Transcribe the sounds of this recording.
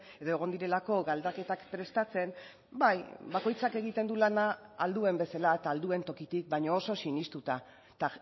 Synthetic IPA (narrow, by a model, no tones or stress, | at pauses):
e̞ðo̞e̞ɣ̞o̞nd̪iɾe̞lako̞ɡald̪ake̞t̪akpɾe̞st̪at͡se̞m | bajbako̞jt͡sake̞ɣ̞it̪e̞nd̪ulanaald̪ue̞mbe̞salat̪aːld̪ue̞nt̪o̞kit̪ik̚bajɲoːso̞sinist̪ut̪a | t̪a